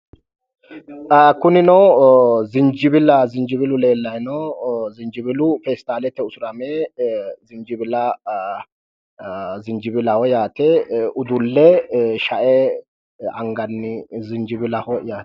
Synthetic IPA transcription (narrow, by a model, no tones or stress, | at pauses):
kʊnɪnɔwzɪnd͡ʒɪbɪlɐzɪnd͡ʒɪbɪlʊleːlːɐjnɔzɪnd͡ʒɪbɪlʊfɛst̪aːlɛt̪ːɛʊsʊɾɐme | zɪnd͡ʒɪbɪlɐ | zɪnd͡ʒɪbɪlɐwɔjaːt̪ɛʔʊd̪ʊlːɛʃɐʔɛ | ɐ̰ŋɡɐnːɪzɪnd͡ʒɪbɪlɐhɔjaːt̪